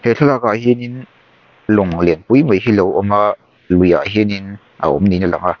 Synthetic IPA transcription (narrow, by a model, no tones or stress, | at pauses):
heɬʰɔlakaɦinin | lɔŋlɛnpujməjɦilowʔɔma | luja̰ʔɦinin | ʔa̰ɔ̰mninala̰ŋa